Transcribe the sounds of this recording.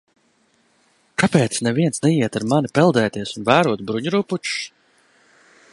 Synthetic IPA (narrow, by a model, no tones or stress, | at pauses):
kapɛːt̪snɛviɛnsnɛiɛt̪aɾmanipɛlˠd̪ɛːt̪iɛsunvæːɾuɔt̪bɾuɲuɾuput͡ʃu̥s